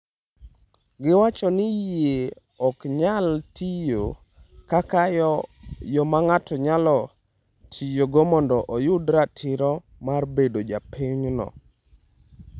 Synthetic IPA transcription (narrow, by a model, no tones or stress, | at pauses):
ɡɪwat͡ʃɔnɪje | ɔkɲaltijo | kaka | jɔmaŋatɔɲalɔ | tʰijoɡɔmɔndɔʔɔjʊdɾatʰɪɾɔ | marbedod͡ʒapiɲnɔ̰